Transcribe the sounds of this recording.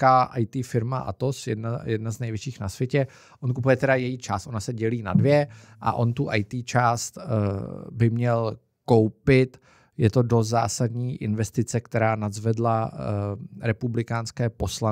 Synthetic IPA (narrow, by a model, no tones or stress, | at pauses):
kaʔajt̪iːfɪɾmaʔa̰t̪osjɛ̰dnajɛdnaznɛjvjɛt͡ʃiːxnasvjɛcɛ | ʔo̞nkupujɛt̪ɛdajɛjiːt͡ʃaːst̪ʔo̞nasɛɟɛliːna̰dvjɛ | ʔa̰ʔo̞̰nt̪uʔajt̪iːt͡ʃaːst̪ | bɪmɲɛl | kowpɪt̪ | jɛt̪o̞dosza̰ːsadɲiːʔɪnvɛst̪ɪt͡sɛkt̪ɛɾaːnazvɛdla | ɾɛpublɪkaːnskɛːpo̞sla